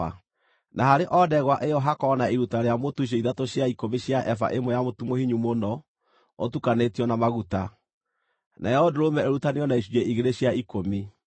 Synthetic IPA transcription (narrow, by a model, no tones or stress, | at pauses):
a | naɦaɾeʔɔdɛɣwaʔejɔɦakɔnaiɾutaɾeamotuɕ̬eiðatoɕjaikomiɕjaʔɛfa̰ʔemɔjamotumohiɲumonɔ | otukanetiɔnamaɣuta | naɛɔdoɾomɛeɾutaneɔnaiɕuɛʔiɣeɾeɕjaikomi